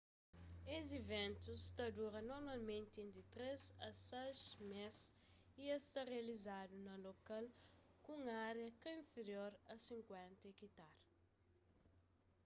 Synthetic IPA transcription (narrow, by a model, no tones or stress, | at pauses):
ezivẽnt̪ust̪ɐd̪uɾɐnoɾmalmẽnt̪ẽnd̪it̪ɾezɐsɛʃmes | iest̪ɐʁeɐlizad̪unɐlokalkũŋaɾjɐkɐĩɱfeɾjoɾɐsĩŋkwɛ̃nt̪ɐekit̪aɾ